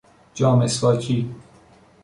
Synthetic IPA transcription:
d͡ʒɒːmesfɒːcʰiː

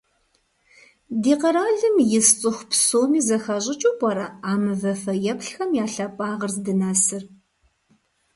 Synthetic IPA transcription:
diːqɐɾaːɮɨmjɪst͡sʼɨxʷpsoːmiːzɐxɐʑʼɪt͡ʃʼupʼɐɾɐaːmɨvɐfɐjɛpɬxɐmjaːɬapʼaːʁɐrzdɨnaːsɨr

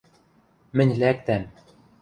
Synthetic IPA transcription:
mɘ̆nʲlæk̚t̪æm

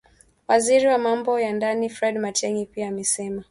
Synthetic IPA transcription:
waziɾiwamambɔjandanifɾɛdmatɛŋipiaːmɛsɛma

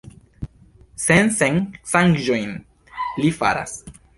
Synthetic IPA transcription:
senseŋsaŋɡʒojn | lifa̰ɾa̰s

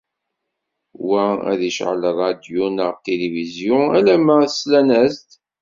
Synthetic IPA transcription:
wææ̰ðiʃʕə̰lrˤɑd̪junəʁt̪ːelivizjɔ̃ælæməslænæzt̪

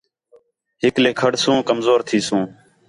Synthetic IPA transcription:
ɦɪkleːkʰəɽsũːkəmzoːɾt̪ʰiːsũː

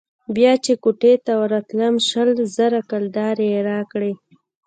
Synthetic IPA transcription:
bjɑt͡ʃekoʈet̪awɾat̪ləmʃəlzəɾakald̪ɑɾeɾɑkɽe

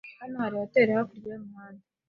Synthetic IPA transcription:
hanohaɾijate̞ːɾahakuɾɡamumaːndi

